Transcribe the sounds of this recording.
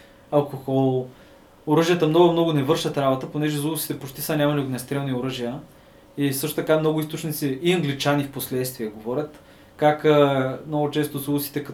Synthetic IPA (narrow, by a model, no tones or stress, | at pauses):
ɐlˠkoxɔlˠ | oɾɤʒijət̪əmnɔɡʊmnɔɡʊnɛvɤɾʃət̪ɾabot̪əponɛʒɛzulˠsi̥t̪ɛpot͡ʃt̪isənʲamɐliod̪nɛst̪ɾɛlˠnioɾəʒijə | isɤʃt̪ot̪ɐkamnɔɡʊist̪ot͡ʃnit̪siːɐŋɡlit͡ʃanifposlɛt̪st̪viɛɡovɔɾʲət̪ | kakmnoɡʊt͡ʃɛst̪ozulˠsi̥t̪ɛkɐ